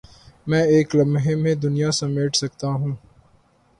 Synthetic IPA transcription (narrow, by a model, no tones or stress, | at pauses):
mɛ̃ːeːklɐmɦemẽd̪ʊnijasɐmeːʈʰsɐk̚t̪aɦũː